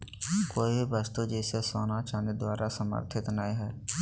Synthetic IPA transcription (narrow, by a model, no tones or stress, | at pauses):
koːibʱibəst̪ud͡ʒɛːsesoːnat͡ʃaːned̪waːɾasəmə̰ɾt̪ʰɪt̪naːiɦɛː